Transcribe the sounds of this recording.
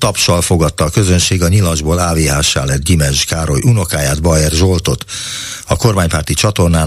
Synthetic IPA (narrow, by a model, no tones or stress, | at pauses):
t̪ɒpʃɒlfo̞ɡɒt̪ːɒːkø̞zønʃeːɡɒɲilɒʒboːlaːveːɦaːʃːa̰ːlɛd̪̚ɡimɛʒkaːɾo̞jʔuno̞kaːjaːd̪bɒjɛrʒo̞lt̪o̞t̪ | ɒko̞rmaːɲpaːrt̪it͡ʃɒt̪o̞rnaː